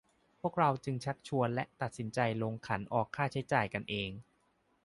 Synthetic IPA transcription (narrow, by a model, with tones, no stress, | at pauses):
pʰu˥˩ək̚ɾa˧wt͡ɕɯ˧ŋt͡ɕʰa˦˥k̚t͡ɕʰu˧ənlɛ˦˥ʔt̪a˨˩t̪̚si˩˦nt͡ɕa˧jloː˧ŋkʰa˩˦nʔɔː˨˩kʰːaː˥˩t͡ɕʰa˦˥jt͡ɕaː˨˩jka˧nʔeː˧ŋ